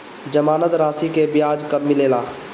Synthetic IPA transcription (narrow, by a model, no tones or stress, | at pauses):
d͡ʒɐmaːnət̪ɾaːsikebjaːd͡ʒkɐbmɪleːlaː